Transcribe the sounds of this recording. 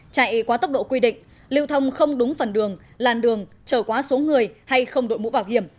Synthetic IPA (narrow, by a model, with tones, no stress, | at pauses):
t͡ɕa̰˧˨jkwaː˨˦t̪ə˦˥wk͡p̚ɗo̰˧˨kwi˧ɗḭ̈˧˨ŋ̟ | lḭ˧˨əwt̪ʰə˧wŋ͡mxə˧wŋ͡mɗʊ˨˦ŋ͡mfə˨˩nɗɨ˨˩əŋ | laː˨˩mɗɨ˨˩əŋ | t͡ɕəː˧˩kwaː˨˦so˨˦ŋɨ˨˩əjha˧jxə˧wŋ͡mɗo̰˧˨jmṵ˧˥vaː˧˩wɦi˧˩əm